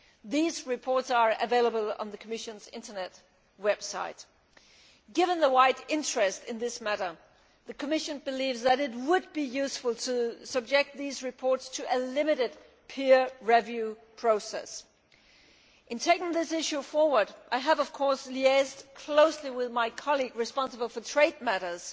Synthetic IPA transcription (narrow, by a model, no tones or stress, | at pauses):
ðizɹɨpʰɔɹtsə˞ɨveɪlˠəbəl̩ˠə̰̃nðɨkʰəmɪʃɨ̃nzɪ̰̃ntə˞nɛt̚ | wɛb̥sa̰ɪt̚ | ɡ̥ɪvɨ̃nðəwaɪɾɪ̃nt͡ʃɹ̥ɨstɨ̃nðɪsmæɾə˞ | ðɨkʰəmɪʃɨ̃nbɨlivzðɨɾɨt̬̚wəd̚bijʉsfəl̩ˠtʰɨsʌb̚d͡ʒɛk̚t̪̚ðizɹɨpʰɔɹtstʰɨʔɨlɪ̃mɨɾɨd̚ | pʰɪɹɹɛvjʉ | pʰɹ̥oʊsɛ̰s | ʔɨ̃ntʰeɪkɪ̃ŋðɪsɪʃʉfɔɹwə˞ɾʔaɪəvʌv̥kʰɔɹsliɛzdkʰl̥oʊsliwɪðmaɪkʰɑlˠiɡɹɨspɑ̃nsəbl̩ˠfə˞tʰɹ̥eɪd̚mæɾə˞z̥